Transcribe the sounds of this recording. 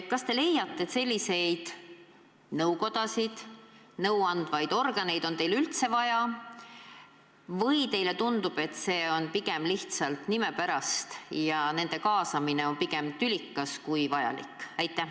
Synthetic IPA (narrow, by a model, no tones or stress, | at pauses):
kɑst̪e̞le̞jːɑt̪ˑːet̪se̞lʲːise̞jd̪̥ | nɤwko̞d̪̥ɑsid̪̥ | nɤwɑnd̪̥vɑjd̪̥o̞rɡ̥ɑne̞jd̪o̞nt̪e̞jlylt̪se̞vɑjɑ | vɤjt̪e̞jle̞t̪und̪ub̥e̞t̪se̞ːo̞npiɡ̥e̞mliht̪sɑlt̪nime̞pæɾɑst̪jɑne̞nd̪̥e̞kɑːsɑmine̞o̞npiɡ̥e̞mt̪ylʲikːɑskujvɑjɑ̰lḭkːˑæjt̪ːˑæ